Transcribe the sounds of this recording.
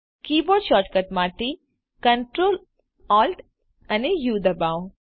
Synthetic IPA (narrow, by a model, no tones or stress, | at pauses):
kiːbɔːɖʃɔːɾʈkɐʈmaːʈ̪i | kɐɳʈɾoːl | ɔːlʈ | ɐnejuːd̪ɐbaːw